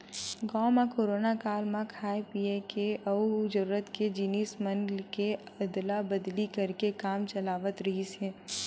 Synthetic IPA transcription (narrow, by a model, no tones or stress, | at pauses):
ɡɔːmãkoːɾoːnakaːlmãkʰaːepiːekeʔɐɦud͡ʒɐɾuːɾət̪ked͡ʒiːniːsmə̃nlkeɐd̪labɐd̪likɐɾkekaːmt͡ʃɐlaːʋət̪ɾɐɦisɛ̃ː